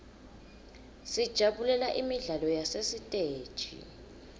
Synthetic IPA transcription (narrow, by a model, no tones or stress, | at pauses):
sid̥ʒ̥ʱaɓulɛlaʔimiɮalɔjasesitʼeːd̥ʒ̥ʱḭ